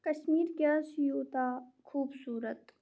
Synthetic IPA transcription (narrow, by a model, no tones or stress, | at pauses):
kɐʃmiːɾɡʲjaːʃjuːt̪aːkʰuːbsuːɾət̪